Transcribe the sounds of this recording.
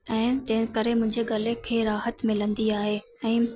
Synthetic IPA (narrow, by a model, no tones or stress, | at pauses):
ɛ̃ːt̪ɐ̃ɦɪ̃kəɾemʊ̃ɦɪ̃ɲd͡ʑeɡɐlekʰeːɾaːɦət̪mɪlə̃nd̪iaːɦe | ɛ̃ː